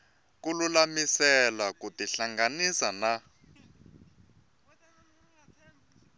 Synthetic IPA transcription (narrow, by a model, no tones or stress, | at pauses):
kululamisɛlakutiɬaŋɡanisana